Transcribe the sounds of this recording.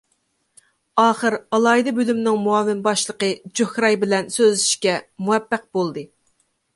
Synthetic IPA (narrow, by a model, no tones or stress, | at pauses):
ɑːχəɾɑlˠɑːid̪ɛbølymnɪŋmuɑmːɪnbɑʃlˠəqəd͡ʒohɾɑjbɪlɛnsøzlɪi̥ʃkʲɛmuwɛpːæq̚bolˠd̪ɨ